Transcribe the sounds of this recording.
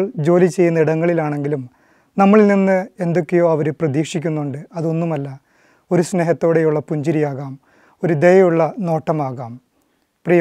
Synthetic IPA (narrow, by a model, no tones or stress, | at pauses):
ɭd͡ʑo̞ːlit͡ɕe̞jːunːɐiɽɐŋːɐɭilaːɳe̞ŋɡilum | nɐmːɐɭilninːɨe̞nd̪o̞kːejo̞ːɐʋɐɾuprɐðiːkʂikʲːunːuɳɖɨɐðo̞nːumɐlːɐ | o̞ɾusne̞ːɦɐt̪ːo̞ːɽe̞juɭːɐpuɲd͡ʑiɾijaːɣaːm | o̞ɾud̪ejɐjuɭːɐno̞ːʈːɐmaːɣaːm | prij